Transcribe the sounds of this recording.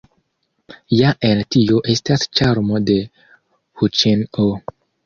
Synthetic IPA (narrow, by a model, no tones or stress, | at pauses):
jaʔeltioʔestast͡ʃaɾmode | hut͡ʃeno